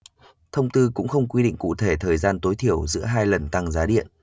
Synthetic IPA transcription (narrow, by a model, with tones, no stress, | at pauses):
t̪ʰə˧wŋ͡mt̪ɨ˧kʊ̰˧˥ŋ͡mxə˧wŋ͡mkwi˧ɗḭ̈˧˨ŋ̟kṵ˧˨t̪ʰe˧˩t̪ʰəː˨˩jzaː˧nt̪o˨˦jt̪ʰi˧˩əwzɨ̰˧˥əɦaː˧jlə˨˩nt̪a˧ŋzaː˨˦ɗḭ˧˨ənʔ